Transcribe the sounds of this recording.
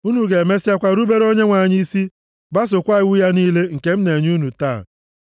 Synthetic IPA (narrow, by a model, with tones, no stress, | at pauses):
u˦nu˨ɡe˨me˦sa˦kʷa˦ɾu˦be˦ɾo˦ɲe˦ŋʷa˨ɲɪ˦i˦si˦ | ba˦s̬ʊ˨kʷa˦ɪ˨˦wu˦ja˦niː˦le˦ŋ̩˨ke˦m̩˦ne˨ɲ˦u˦nu˨taː˦˨